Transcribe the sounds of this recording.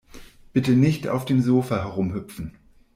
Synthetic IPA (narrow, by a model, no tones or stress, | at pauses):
b̥ɪtənɪçta̰ʊfd̥eːmzoːfahɛʁ̞ʊmɦʏpp͡fn̩